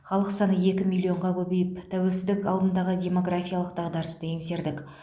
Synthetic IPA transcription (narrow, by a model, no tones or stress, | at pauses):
χɑlˠəqsɑnəje̞kʲɪmʲilʲːˠio̞ɴʁɑkʲʰɵbe̞jɪpt̪ʰæwe̞lsɪzd̪ɪkɑlˠd̪ənd̪ɑʁədʲe̞mo̞ɡɾafʲijalˠəq̚d̪ɑʁd̪ɑɾəst̪əeŋse̞ɾd̪ɪk